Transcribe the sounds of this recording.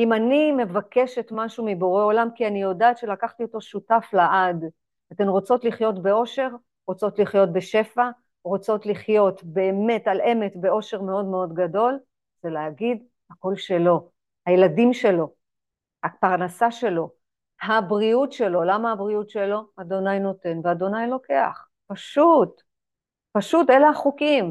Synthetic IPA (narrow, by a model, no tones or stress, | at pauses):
imanime̞vakeʃetmaʃumibo̞ʁeo̞lamkianijo̞daːtʃe̞lakaχtio̞to̞ʃutaflaʔad | ate̞nʁo̞t͡so̞tliχjo̞tbe̞o̞ʃe̞ʁ | ʁo̞t͡so̞tliχjo̞t̚beʃe̞fa | ʁo̞t͡so̞tliχjo̞tbe̞ːme̞talʔe̞metbe̞o̞ʃe̞ʁme̞o̞dme̞o̞dɡado̞l | z̥eleaɡid | hako̞lʃe̞lo̞ | hajeladimʃe̞lo̞ | hapaʁnasaʃe̞lo̞ | habʁiutʃe̞lo̞lamaabʁiutʃe̞lo̞ad̪o̞najno̞te̞nvead̪o̞najlo̞ke̞a̰χ | paʃut | paʃutelaaχukim